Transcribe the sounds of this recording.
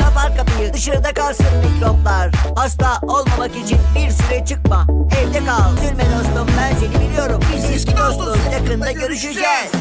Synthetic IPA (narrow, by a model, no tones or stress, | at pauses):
kʰapaɾkapɯjɯd̪ɯʃaɾɯd̪akʰalˠsɯnmiclʲoplˠaɾ̥hast̪aʔo̞lˠmamakit͡ʃʰinbiɾsyɾɛt͡ʃʰɯk̚maɛvd̪ɛkʰad̪yɾʲmed̪aslˠɯmbænselʲibilʲijo̞ɾumbiziiʃcʰid̪ost̪lˠonjakɯnd̪aɟø̞ɾyʃyd͡ʒɛːz̥